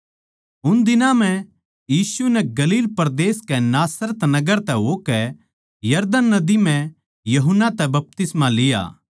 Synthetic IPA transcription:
ʊnd̪ɪnãm̤ɛ̃ | jiːsunɛɡɐliːlpɐɾd̪eːskɛnaːsɾət̪nɐɡəɾt̪ɛɦokɛ | jɐɾd̪ənːɐd̪imɛ̃ | jɐɦʊnːat̪ɛbɐp̚t̪ɪsmalɪja̰ː

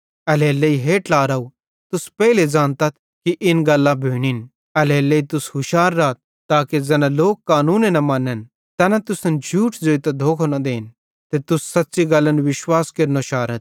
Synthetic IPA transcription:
ɐlɛːlːeiɦeʈlaːɾɐu | t̪ʊspɛiled͡ʒãːnt̪ɐt̪̚ʰ | kiʔɪnɡɐlːãbʱiːɽ̃in | ɐlɛːlːeːit̪ʊsɦʊʃaːɾːaːt̪̚ | t̪ːaːked͡zɛnãloːkːaːnuːnenɐmãːnən | t̪ɐnɐt̪ʊsənd͡ʒʱuːʈd͡ʒoːit̪ɐd̪ʱoːkʰonɐd̪eːn | t̪et̪ʊsːɐt̪ːt͡ʃiɡɐlːənʋɪʃwaːskeɾnoʃaːɾət̪̚ʰ

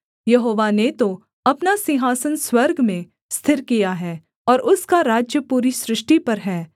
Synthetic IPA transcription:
jɐɦoːʋanet̪o | ɐpnasɪ̃ɦaːsənswɐɾɡmẽ | st̪ʰɪɾkijaɦɛː | ɔːɾʔʊskaɾaːd͡ʒjəpuːɾisɾɪʃʈipɐɾɦɛː

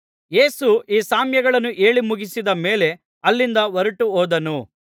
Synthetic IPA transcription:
je̞ːsuʔiːsaːmjɐɡɐɭɐnːuʔe̞ːɭimuɡisid̪ɐme̞ːle̞ | ɐlːind̪ɐʋɐɾuʈuoːd̪ɐnu

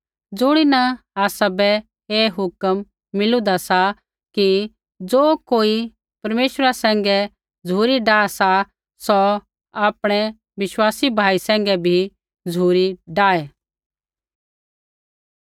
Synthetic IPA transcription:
d͡zʊɽ̃inɐ | aːsabɛ | eːɦʊkəmː | ɪlũd̪asa | ki | d͡zoːkoːi | pɐɾmeːʃəɾasɛ̃ːŋɡɛ | d͡zʱuːɾiɖaːsa | sɔ | aːpɽ̃ɛ | ʋɪswaːsibʱaːisɛ̃ːŋ̆ɡɛbʱi | d͡zʱuːɾiɖaːɛː

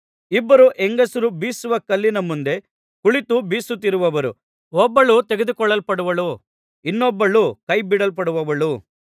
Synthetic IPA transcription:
ibːɐɾuʔeŋɡɐsuɾubiːsuʋɐkɐlːinɐmund̪e̞ | kuɭit̪ubiːsut̪ːiɾuʋɐʋɐɾu | ɔbːɐɭut̪eɡed̪ukɔɭːɐlpɐɽuʋɐɭu | inːɔbːɐɭukɐjbiɽɐlpɐɽuʋɐʋɐɭu

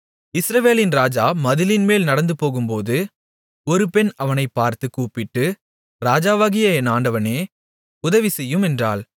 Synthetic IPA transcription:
ɪsɾɐʋeːlɪnɾaːd͡ʒaːmɐðɪlɪnmeːlnɐɽɐnd̪ɯpoːɣɯmpoːðɯ | ɔɾɯpɛnɐʋɐnɐɪpːaːɾt̪ɯkːuːpɪʈːɯ | ɾaːd͡ʒaːʋaːɣɪjɐɛnaːɳɖɐʋɐneː | ʊðɐʋisɛjːɯmɛndra̰ːl

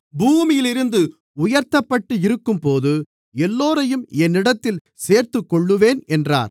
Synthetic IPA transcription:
buːmɪjɪlɪɾɯnd̪ɯ | ʊjɐɾt̪ːɐpːɐʈːɯɪɾɯkːɯmpoːðɯ | ɛlːoːɾɐjɯmɛnːɪɽɐt̪ːɪl | seːɾt̪ɯkːɔɭːɯʋeːnɛndra̰ːɾ

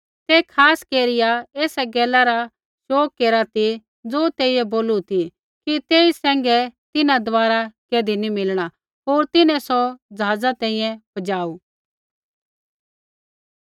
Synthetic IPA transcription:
t̪eːkʰaːskeːɾɪjaeːsɛɡɛːlaɾa | ʃoːkːeːɾat̪i | d͡zoːt̪eːijɛboːlut̪i | kit̪eːisɛ̃ːŋɡɛt̪ɪnãd̪ʋaːɾakeːd̪ʱinimɪlɽ̃a | ɦoːɾt̪ɪnɛ̃sɔd͡zɐɦaːd͡zat̪ɛ̃ːĩːjɛ̃pɐd͡ʒaːuː

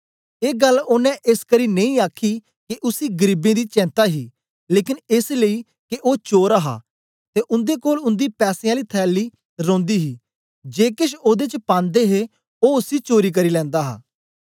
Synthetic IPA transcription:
eːɡəloːnɛ̃ːʔɪskəɾiːnẽĩːaːkʰiː | kɪʔʊsiːɡəɾiːbẽːd̪iːt͡ʃɛ̃ːnt̪aːɦiː | leːkɪnɪsləiː | kɪʔoːt͡ʃoːɾaɦa̰ː | t̪eːʔʊ̃nd̪eːkoːlʊnd̪iːpɛːsẽːaːliːt̪ʰɛːlːiː | ɾõːnd̪iːɦiː | d͡ʒeːkɪʃoːd̪eːt͡ʃpãːnd̪eːɦeː | oːʊsiːt͡ʃoːɾiːk̬əɾiːlɛ̃ːnd̪aːɦa̰ː

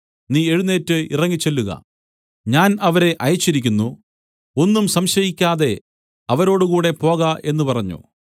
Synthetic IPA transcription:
niːe̞ɻunːe̞ːtːɨḭrɐŋːit͡ɕːe̞lːuɣɐ̰ | ɲaːnɐʋɐɾe̞ʔɐjt͡ɕːiɾikʲːunːu | o̞nːumsɐmɕɐjikʲːaːðe̞ | ɐʋɐɾo̞ːɽukuːɽe̞po̞ːɣɐʔe̞nːupɐrɐɲːṵ

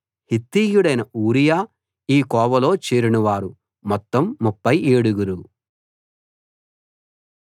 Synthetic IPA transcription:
hit̪ːiːjuɽɐjnɐuːɾijaː | iːkɔːʋɐlo̞ːt͡ʃeːɾinuʋaːɾu | mɔt̪ːɐmːupːɐjeːɽuɡuɾu

